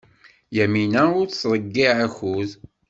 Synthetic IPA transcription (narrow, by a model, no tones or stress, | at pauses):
jæminæʊɾsɾˤəɡːiʕæçuð